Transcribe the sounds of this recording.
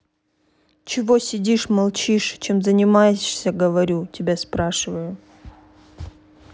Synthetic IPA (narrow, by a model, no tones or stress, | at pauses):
t͡ɕɪvosʲɪdʲiʂmɐlˠt͡ɕiʂt͡ɕemzənʲɪmajɪʂsʲəɡəvɐɾʲutʲɪbʲaspɾaʂɨvəjʊ